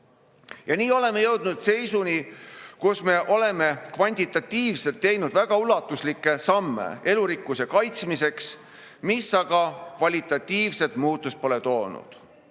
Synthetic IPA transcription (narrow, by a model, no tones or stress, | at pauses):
jɑniːo̞le̞me̞jɤwd̪̥nud̪̥se̞jsunikusme̞ʔo̞le̞me̞kvɑnʲt̪ʲit̪ːˑɑt̪ʲːiːvse̞lt̪ːe̞jnud̪̥væɡ̥ɑulɑt̪ːˑuslikːˑe̞sɑmːḛe̞luɾikːˑusekɑjt̪smise̞ks | misːɑɡ̥ɑkvɑlʲit̪ːˑɑt̪ʲːˑiːvse̞t̪muːt̪ːˑust̪̚po̞le̞t̪o̞ːnṵd̪̥